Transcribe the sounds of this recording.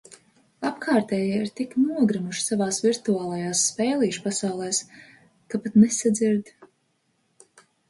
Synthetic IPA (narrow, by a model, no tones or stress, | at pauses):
apkʰaːɾt̪ɛːjaiɾt̪iknuɔɡɾimuʃsavaːsviɾt̪uaːlˠajaːsːpɛːlˠiːʃpasawlˠɛːs | kapat̪nɛsad̪ziɾd̪